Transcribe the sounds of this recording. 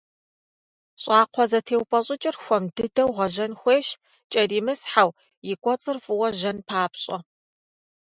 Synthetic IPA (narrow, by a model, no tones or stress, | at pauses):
ɕʼɑːqʷʰɔzɐtʰeːwpʼɐɕʼɪt͡ʃʼɪrxʷɔmdɨdɐwʁɐʒɐnxʷeːʃ | t͡ʃʼɐriːmɨsħaw | jɪkʷʼɔt͡sʼɨrfʼɨwɐʒɐnpʰaːpɕʼɐ